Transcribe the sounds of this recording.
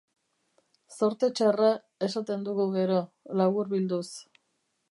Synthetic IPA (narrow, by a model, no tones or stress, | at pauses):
so̞ɾt̪e̞t͡ʃara | e̞sat̪e̞nd̪uɣuɣe̞ɾo̞ | laɣuɾβild̪us